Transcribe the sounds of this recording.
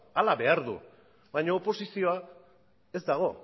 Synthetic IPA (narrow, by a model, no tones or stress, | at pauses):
alaβe̞aɾðṵ | bajɲoːpo̞sisio̞a | e̞zd̪aɣ̞o̞